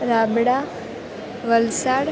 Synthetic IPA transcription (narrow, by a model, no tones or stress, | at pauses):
ɾabɽa | ʋəlsaɽ